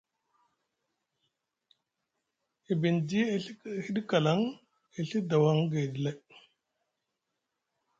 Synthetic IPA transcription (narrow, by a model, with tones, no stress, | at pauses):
i˨bi˨ndi˦˨˦hi˦ɗi˦ka˨la˦ŋ | i˨ɬi˦da˨wa˦ŋɡe˨di˨le˦